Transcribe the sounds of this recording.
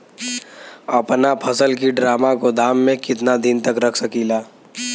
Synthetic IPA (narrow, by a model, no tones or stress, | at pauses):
ɐpnapʰɐsəlkiɖɾaːmakod̪ʱaːmːẽkɪt̪nad̪ɪnt̪əkɾɐkʰsəkiːlaː